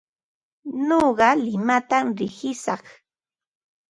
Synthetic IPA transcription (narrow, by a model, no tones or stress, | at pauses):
noɢɑlɪmat̪amɾɪhɪsɑχ